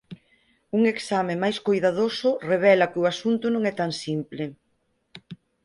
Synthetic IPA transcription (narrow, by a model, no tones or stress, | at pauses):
uŋeksamẽmajskojðaðosʊreβ̞ɛlɐkɪʊasunt̪ʊnõŋɛt̪aŋsimplɪ